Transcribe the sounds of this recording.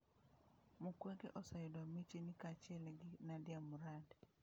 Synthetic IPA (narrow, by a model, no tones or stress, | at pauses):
mukwɛɡeʔɔsajʊdwamit͡ʃinɪkat͡ʃɪɛlɡɪnadɪamuɾad